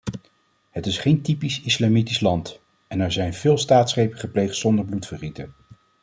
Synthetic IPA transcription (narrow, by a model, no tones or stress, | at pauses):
ɦətɪsχejntipisɪslamitislɑnt | ɛnɛɹzɛjnvɪːlˠstaːtsχejpəχəplejχtsɔndəɹblutfəχitən